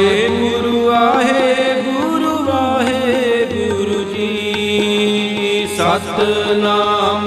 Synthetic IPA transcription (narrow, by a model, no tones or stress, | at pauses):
eɡuɾuaɦebuɾuʋaːɦebuɾud͡ʒi | isat̪naːm